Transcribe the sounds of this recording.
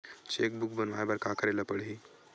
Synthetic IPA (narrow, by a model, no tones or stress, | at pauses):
t͡ʃek̚buk̚bənʋajbaɾkakəɾeləpəɽɦi